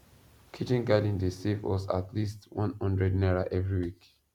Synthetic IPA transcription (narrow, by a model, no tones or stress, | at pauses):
kʰit͡ʃĩnɡadĩndesivwɔ̰sa̰tʰlistwɔ̃nhʌ̃ndɹɛdnɛɹaʔɛvɹiwik